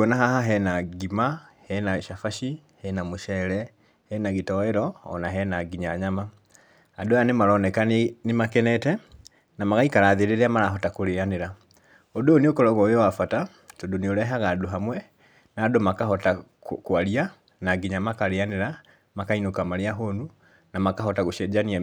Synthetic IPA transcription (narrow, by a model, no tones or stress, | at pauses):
naɦaɦaɦɛnaɡimahɛnaʃafaʃi | hɛnamoʃɛɾɛ | hɛnaɣitɔeɾɔɔ̰naɦɛnaɡiɲaɲama | adojanemaɾɔnɛkanemakɛnɛtɛ | namaɣaikaɾaðeɾeɾeamaɾaɦɔtakoɾeaneɾa | odoneokoɾɔɣɔjowafata | todoneoɾɛɦaɣaːdoɦamwɛ | naːdomakaɦɔta | koaɾia | naɡiɲamakaɾeaneɾa | makainokamaɾeaɦonu | namakaɦɔtaɣoʃɛd͡ʒania